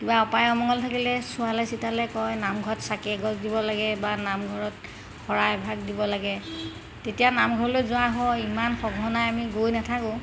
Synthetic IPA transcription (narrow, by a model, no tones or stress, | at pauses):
kibaɔpajɔmɔŋɔltʰakilɛsʊalajsitalɛkɔjnamɡʱɔtsakɛɡɔzdibɔlaɡɛbanamɡʱɔɹɔt̚ | xɔɹajbʱaɡ̚dibɔlaɡɛ | tetijanamɡʱɔɹlojzʊaɦɔimanxɔbʱɔnajamiɡojnatʰakʊ̃